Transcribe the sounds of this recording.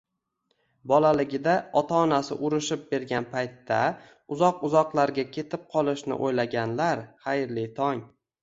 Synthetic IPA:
bɒlalɪɡʲɪd̪aɒt̪ʰaːnasɪ̰ʔʊɾɪʃɪp̚be̞ɾɡʲanpʰajt̪ːa̰ | ʊzɒqʊzɒqlˠaɾɡʲakʲʰe̞t̪ʰɪp̚qʰɒlˠɪʃnɪ̰ʔojlaɡʲanlaɾχajɾlit̪ʰɒŋ

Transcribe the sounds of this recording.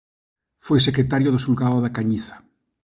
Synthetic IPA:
fojs̬ekɾet̪aɾjoðosulɣaoðakaɲiθḁ

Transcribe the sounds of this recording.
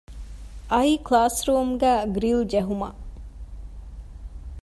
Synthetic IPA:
ʔɐiːklaːsɾuːmɡæːɡɾild͡ʒeɦumɐ̰

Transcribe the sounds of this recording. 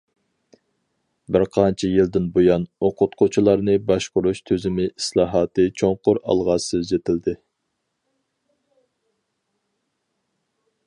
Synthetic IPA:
bɪɾqʰɑnt͡ʃʰɛjild̪ɪnbojɑnoqʰʊt̪qʰʊt͡ʃʰilˠɑɾnɨbɑʃqʊɾuʃt̪ʰøzɪmɪislˠɑːɦɑːt̪ɨt͡ʃʰoŋqʊɾɑ̰lˠʁɑsɨzd͡ʒet̪ʰɪld̪ɪ

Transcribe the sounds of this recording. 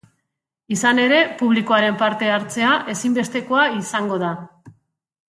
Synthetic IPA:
isane̞ɾe̞puβ̞liko̞aɾe̞mpaɾt̪e̞aɾt͡se̞aʔe̞simbe̞st̪e̞ko̞aisaŋɡo̞ða

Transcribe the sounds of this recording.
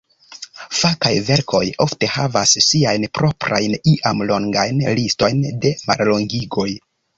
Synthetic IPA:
fakajve̞ɾkʰo̞̰jo̞fte̞havasːiajnpɾo̞pɾa̰jniʔamlo̞ŋɡajnlisto̞jnde̞ma̰ɾloŋɡiɡo̞j

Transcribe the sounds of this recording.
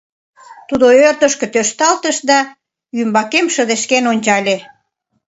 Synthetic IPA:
t̪ud̪oørt̪əʃkĕt̪øʃt̪ɑlt̪əʃd̪ɑ | jymbɑkemʃəd̪eʃkenonʲt͡ɕɑlʲe

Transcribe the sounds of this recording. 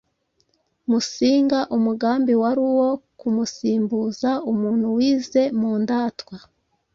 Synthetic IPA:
musiːŋɡaʔumuɡaːmbiwaɾiwo̞kumusiːmbuzaumuːn̥huwiːze̞muːndaːtwa

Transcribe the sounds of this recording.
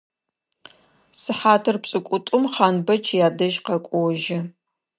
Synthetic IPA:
sɨħaːtʰɨrpsʼɨkʷʼʊtʼʊmχaːnbɐt͡ʃʰjaːdɐʒqɐkʷʼɔwʒɪ

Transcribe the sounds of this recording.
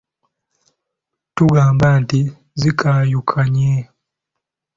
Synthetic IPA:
tuɡaːmbanti | zikʰajukʰaɲe

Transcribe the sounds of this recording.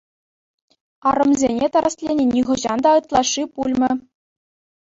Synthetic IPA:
ɑɾɤ̆mzʲenʲet̪ɑɾɑslʲenʲenʲiʁɤ̆ʑɑnd̪ɑɤt̪lˠɑʂːipulʲmʲɘ̆

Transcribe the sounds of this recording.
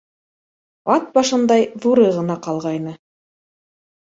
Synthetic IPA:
ɑt̪̚bɑʃɤ̆nd̪ɑjðuɾɤʁɤ̆nɑqɑlˠʁɑjnɤ

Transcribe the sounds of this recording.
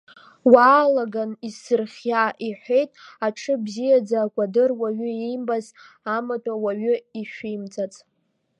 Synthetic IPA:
waːlaɡanisɨrχʲaʔiħʷe̞jtʼaʈ͡ʂʰɨbzijad͡zaːkʷʼadɨrwaɥʏejmbaz | amatʼawaɥʏiʃᶣijmt͡sʼat͡sʼ

